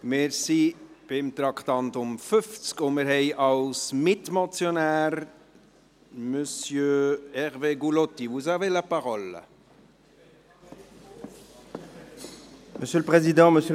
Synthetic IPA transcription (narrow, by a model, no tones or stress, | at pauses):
mɪːɾsi | b̥ɪmt̪ɾɑkʰt̪ɑnt̪ʊmfʏft͡skʊmɪɾɦɛjʔɑlsmɪt̪mɔt͡sjɔnæːɾ | mœsjøɛʁveːɡulɔt̪ivus̬ɑvɛləpɑʁɔlːə̰ | məsjøləpχezid̪ɑ̃məsjø